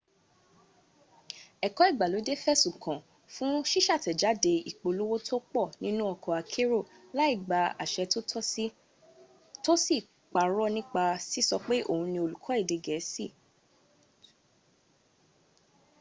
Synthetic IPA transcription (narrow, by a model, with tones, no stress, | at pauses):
ɛ˨kɔ˨˦i˦˨ɡ͡ba˨lo˨˦de˦fɛ˦˨sũ˨kã˨ | fũ˦ʃi˦ʃa˦˨tɛ˨d͡ʒa˨˦de˧i˨k͡po˧lo˦wo˦tʰo˦k͡pɔ˦˨nĩ˦nũ˦ɔ˦˧kɔ˨a˨kʰe˦ɾo˦˨ | la˦i˦˨ɡ͡ba˧a̰˨ʃɛ˧to˦ɔ˦i˦ | to˦si˦˨ | k͡pa˨ɾɔ˦nĩ˦k͡pa˧si˦sɔ˧k͡pe˦ʔo̰˦˨ũ˧nĩ˧o˧lu˨kʰɔ˨˦i˦˨de˨˧ɡɛ˨˦si˦˨